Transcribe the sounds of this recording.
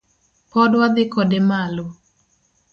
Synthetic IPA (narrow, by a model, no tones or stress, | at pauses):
pɔdwad̪ɪkɔdɛmalo